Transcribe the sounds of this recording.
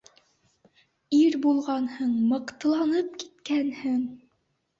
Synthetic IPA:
iɾbulˠʁɑnhɤɴmɤ̆qt̪ɤ̆lˠɑnɤp̚kit̪kænhɘŋ

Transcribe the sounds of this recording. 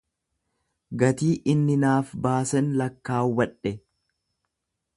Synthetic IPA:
ɡɐt̪iːʔɪnːɪnaːfbaːsɛnlɐkːaːwɐᶑɛ

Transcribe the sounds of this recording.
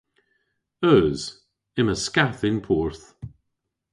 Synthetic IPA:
œːz̥ | ɪməskaθɪnpʰɔɹθ

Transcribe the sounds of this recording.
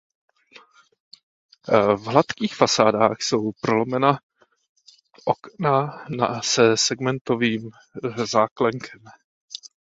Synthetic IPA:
vɦlat̪kiːxfasaːdaːxso̞wpɾolomɛna | ʔoknanasɛsɛɡmɛnt̪oviːm | zaːklɛŋkʰɛm

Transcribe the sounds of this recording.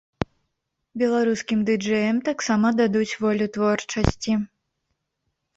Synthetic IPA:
bʲɛlˠaɾuskʲimd̪ɨd͡ʐɛjɐmt̪aksamɐd̪ad̪ut͡sʲvɔlʲut̪vɔrt͡ʂɐsʲt͡sʲi

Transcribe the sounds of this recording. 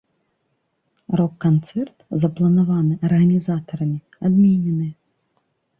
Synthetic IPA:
rɔkːant̪sɛrt̪zɐplˠɐnavanɨʔɐrɣɐnʲizat̪ɐɾɐmʲi | ad̪mʲinʲɛnɨj

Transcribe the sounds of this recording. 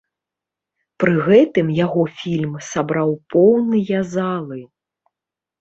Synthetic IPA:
pɾɨɣɛt̪ɨmjaɣɔfʲilʲmsabɾawpɔwnɨjɐzalˠɨ

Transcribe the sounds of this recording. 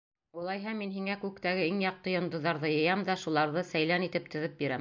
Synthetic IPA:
ulˠɑjɦɑminɦiŋækʉkt̪æɡɘiŋjɑq̚t̪ɤjŏnd̪ɤ̆ðːɑɾðɤjɤ̆jɑmd̪ɑʃulˠɑɾðɤsæjlænit̪ɘp̚t̪ɵ̆ðɘp̚biɾæm

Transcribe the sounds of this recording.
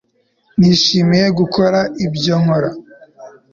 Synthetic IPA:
niʃiːmije̞ɡukʰoɾaʔibjoŋ̥hoɾa

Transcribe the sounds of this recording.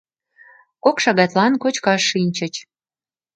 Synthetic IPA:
kokʃɑɣɑt̪lɑnkot͡ɕkɑʃːinʲt͡ɕə̆t͡ɕ

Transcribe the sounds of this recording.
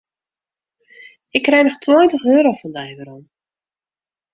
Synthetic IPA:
ɪkːrɛjnɔxtʰwɔjntəxøːɾowfɔndɛjvəɾom

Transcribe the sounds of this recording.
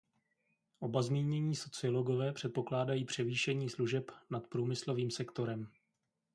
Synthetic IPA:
ʔo̞bazmiːɲɛɲiːso̞t͡sɪolo̞ɡo̞vɛːpr̝̥ɛt̪̚po̞klaːdajiːpr̝̥ɛviːʃɛɲiːsluʒɛpnat̪pɾuːmɪslo̞viːmsɛkt̪o̞ɾɛm

